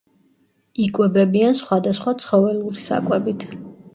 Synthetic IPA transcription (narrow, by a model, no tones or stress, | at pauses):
ikʼwɛbɛbiansχwad̪asχwat̪sʰχɔvɛluɾisa̰kʼwɛbit̪ʰ